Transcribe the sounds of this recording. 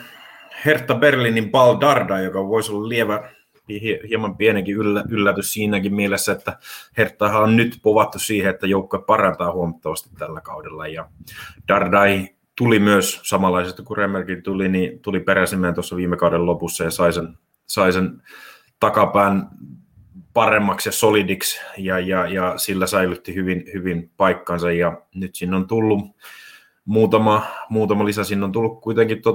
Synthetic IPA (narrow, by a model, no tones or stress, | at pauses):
hert̪ːɑberlinimpɑldɑrdɑijokɑʋoisolːɑllieʋæ | pihihiemɑmpieneŋkiylːæylːæt̪yssiːnækimmielesːæet̪ːæhert̪ːɑːhæonnyt̪poʋɑt̪ːussiːheet̪ːæjoukːoep̚pɑrɑnt̪ɑːhuomɑt̪ːɑʋɑst̪i̥t̪tælːækɑudelːɑjɑd̥ɑrdɑi | t̪ulimyøssɑmɑlːˑɑisest̪ɑkuremːerkit̪ulinit̪ulipeɾæsimːˑeːnt̪osːɑʋiːmːekɑudellopusːɑjɑsɑisen | sɑisen | t̪ɑkɑpæːn | pɑremːɑksjɑsolidiksjɑjɑjɑsilːæsæilyt̪ːihyʋinhyʋinpɑikːɑnsɑjjɑnyt̪sinːont̪ulːu | muːt̪ɑmɑmuːt̪ɑmɑlisæsiːnːont̪ulːukkuit̪eŋkit̪t̪o